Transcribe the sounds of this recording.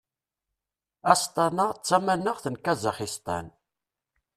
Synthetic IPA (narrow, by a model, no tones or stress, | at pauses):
æst̪ˤɑnat͡sːæmænəʁθənkæzəχist̪ˤæ̰n